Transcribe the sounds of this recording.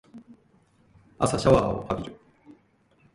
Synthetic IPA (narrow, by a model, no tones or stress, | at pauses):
a̰saɕaβaːo̰habʲiɾɯ̟